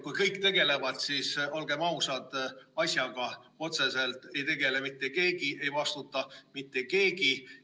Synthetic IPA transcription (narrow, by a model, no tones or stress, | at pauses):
kujkɤjkːt̪e̞ɡ̥e̞le̞vɑd̪̥siso̞lɡ̥e̞mɑwsɑd̪̥ɑsʲjɑɡ̥ɑo̞t̪se̞se̞lt̪ˑe̞jt̪e̞ɡe̞le̞mit̪ːˑe̞ke̞ːɡ̥ie̞jvɑst̪ut̪ːˑɑmit̪ːe̞ke̞ːɡi